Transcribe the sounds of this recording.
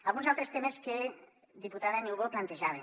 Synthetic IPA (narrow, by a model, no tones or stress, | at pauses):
alɣunzalˠt̪ɾest̪emeske | ðiput̪aðaenewɣoplant̪eʒaβe